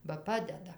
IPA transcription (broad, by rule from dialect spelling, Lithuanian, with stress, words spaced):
bɐ ˈpɑːdʲɛdɐ